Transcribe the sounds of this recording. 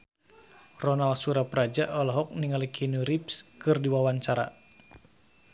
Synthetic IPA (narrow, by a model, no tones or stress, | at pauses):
rɔnalsuɾapɾad͡ʒaʔɔlɔɦɔk̚niŋalikʰinuɾipskɨrdiwawaɲt͡ʃaɾa̰